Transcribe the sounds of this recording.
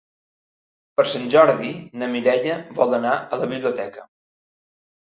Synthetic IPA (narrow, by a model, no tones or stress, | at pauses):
pəɾsanʲʒɔɾðinəmiɾɛʎəβɔlˠənaələβiβliut̪ɛkə